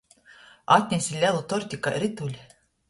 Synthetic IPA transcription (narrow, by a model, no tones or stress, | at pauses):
ɑt̪̚ʲnʲesʲilʲɛlˠut̪oɾʲt̪ʲikaɾit̪ulʲ